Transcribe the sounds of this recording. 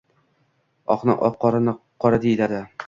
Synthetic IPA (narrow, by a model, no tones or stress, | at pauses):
ɒqnɪʔɒqːɒɾanqʰɒɾad̪ejd̪ad̪ɪ